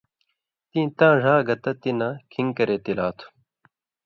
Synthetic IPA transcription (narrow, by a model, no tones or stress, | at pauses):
t̪ĩːt̪ãːʐaːɡɐt̪ɐt̪inãːkʰiŋkɐɾeːt̪ilaːt̪ʰu̥